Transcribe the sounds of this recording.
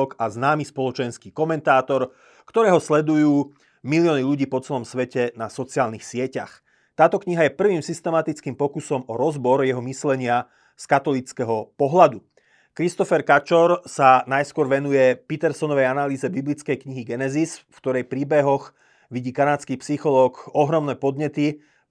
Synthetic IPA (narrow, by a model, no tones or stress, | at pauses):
ɔkaznaːmispɔlɔt͡ʃɛnskiːkɔmɛnt̪aːt̪ɔɾ | kt̪ɔɾɛːɦɔslɛd̪ujuː | milɪɔːniʎuɟiːpɔt͡sɛlɔmsʋɛcɛnasɔt͡siaːlnixsɪɛca̰x | t̪aːt̪ɔkɲiɦajɛpr̩ʋiːmsist̪ɛmat̪it͡skiːmpɔkusɔmɔɾɔzbɔɾjɛɦɔmislɛɲɪa | skat̪ɔlit͡skɛɦɔpɔɦlad̪u | kɾist̪ɔfɛɾkat͡ʃɔɾsanajskʊɔɾʋɛnujɛpit̪ɛɾsɔnɔʋɛjanaliːzɛbiblit͡skɛjkɲiɦiɡɛnɛzisfkt̪ɔɾɛjpɾiːbɛɦɔx | ʋiɟiːkanaːt͡skipsixɔlɔːkɔɦɾɔmnɛːpɔd̪ɲɛt̪i